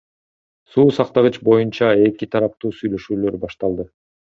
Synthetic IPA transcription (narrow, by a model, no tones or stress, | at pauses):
suːsɑqt̪ɑʁɯt͡ʃbo̞junt͡ʃɑe̞kit̪ʰɑɾɑp̚t̪uːsyjlø̞ʃyːlø̞ɾbɑʃt̪ɑlˠd̪ɯ